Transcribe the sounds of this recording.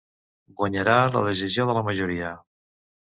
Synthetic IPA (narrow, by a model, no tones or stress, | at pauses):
ɡwəɲəɾalə̰ðəʒizjoðələməʒuɾiə